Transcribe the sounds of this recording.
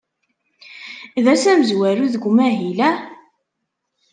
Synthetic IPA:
ðæsæməzwæɾuðəɡʷmæɦilæ

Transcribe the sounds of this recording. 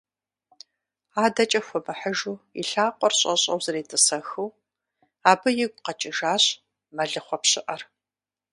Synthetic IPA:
aːdɐt͡ʃʼɐxʷɔmɨħəʒuːḭɬaːqʷʼɔrɕʼɐ̰ɕʼɐ̰wzɐreːtʰʼɨsɐxuw | aːbɨjɪɡʷqɐt͡ʃʼɪʒaːɕ | mɐɮɨχʷɔpɕɪʔɐr

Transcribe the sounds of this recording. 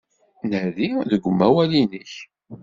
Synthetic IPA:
nəðiðəɡʷəmːæwælinəç

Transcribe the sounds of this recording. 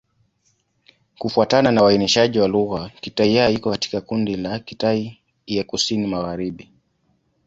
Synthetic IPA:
kufuatananawainiʃaʄiwaluɣakitaijaikɔkati̥kakundilakitai | jakusinimaɣaɾiɓi

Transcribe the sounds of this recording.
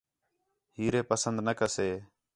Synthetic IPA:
hiːɾeːpəsənd̪nəkəseː

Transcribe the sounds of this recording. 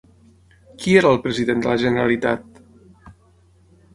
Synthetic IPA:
kieɾəːlˠpɾəziðend̪ələʒənəɾalit̪a̰t̪

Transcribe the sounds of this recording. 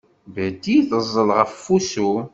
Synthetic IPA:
væd̪iθəzˤːəlʁəffusu

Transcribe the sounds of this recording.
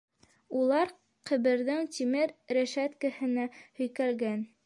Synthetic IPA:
ulˠɑɾ | qɘ̆βɘ̆ɾðɘŋt̪ʲimɘɾɾæʃæt̪kɘ̆hɘ̆næhɵ̆jkælɡæn

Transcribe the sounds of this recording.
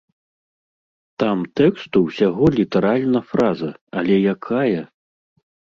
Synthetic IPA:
t̪amt̪ɛkst̪uwsʲaɣɔlʲit̪ɛɾalʲnɐfɾazɐɐlʲɛjakʰajɐ

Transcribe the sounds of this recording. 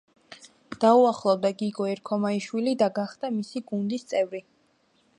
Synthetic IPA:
d̪̥auaχlˠɔvd̪aɡiɡɔɛɾkʰɔmaiʃwilid̪aɡaχd̪amisiɡund̪ist̪sʼɛvɾi

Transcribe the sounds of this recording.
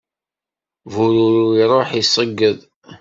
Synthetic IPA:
vuɾuɾuiɾˤoħisˤːəɡːəðˤ

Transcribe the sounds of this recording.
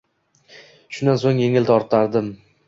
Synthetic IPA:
ʃʊnd̪ansoŋje̞ŋɪlt̪ɒɾt̪aɾd̪ɪm

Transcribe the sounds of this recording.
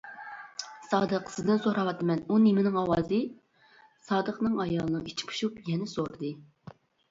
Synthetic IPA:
sɑːd̪əqsɪd̪ɪnsoɾɑwɑt̪ɨmɛnunemɪnɪŋɑwɑːzɨ | sɑːd̪əqnɨŋɑjɑlˠənɨit͡ʃʰi̥pʰu̥ʃupjɛnɪsoɾd̪ɨ

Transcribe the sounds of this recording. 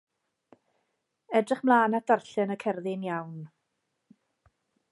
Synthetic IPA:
ɛdrɪχmlˠaːnad̥arɬɛnəkʰɛrðɪnjawn

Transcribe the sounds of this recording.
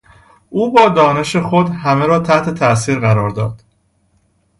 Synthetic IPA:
ʔuːbɒːd̪ɒːne̞ʃexod̪hæmeɾɒːt̪ʰæht̪ʰe̞t̪ʰæʔs̬iːɾɣæɾɒːɾd̪ɒːd̪̥

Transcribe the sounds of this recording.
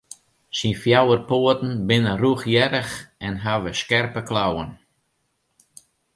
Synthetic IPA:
sinfjawərpoətn̩bɪnəruxjɛɾəxɛnɦaʋəskɛrpəklawən

